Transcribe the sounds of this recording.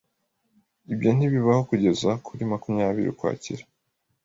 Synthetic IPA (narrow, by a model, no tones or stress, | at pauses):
ibjo̞n̥iβiβaho̞kuɟe̞zakʰuɾimakumɲaːβiɾḭkwa̰ːcḭɾe̥